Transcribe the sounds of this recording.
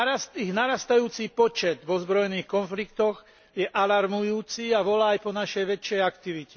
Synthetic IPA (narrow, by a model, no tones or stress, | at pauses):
ast̪iɣnaɾast̪ajuːt͡sipɔt͡ʃɛd̪ʋɔzbɾɔjniːxkɔnflikt̪ɔɣ | jɛʔalaɾmujuːt͡siaʋɔlaːjpɔnaʃɛjʋɛt͡ʃːɪɛjakt̪iʋici̥